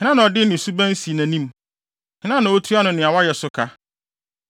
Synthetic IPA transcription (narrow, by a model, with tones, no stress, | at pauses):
hɪ̃˨˦nã˦nã˨ɔ˨dɪ˦nɪ̃˨su˦bæ̃˦n˦si˨næ̃˨nĩ˦m | hɪ̃˦nã˦nã˨wo˦tʰu˦a˦nʊ̃˨nɪ̃˨a˨wa˦jɛ˨sʊ˦kʰa˦